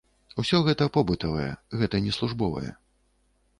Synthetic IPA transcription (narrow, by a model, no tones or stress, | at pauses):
wsʲɔɣɛt̪ɐpɔbɨt̪ɐvɐjɛ̰ɣɛt̪ɐnʲɛslˠuʐbɔvɐ̰jɛ̰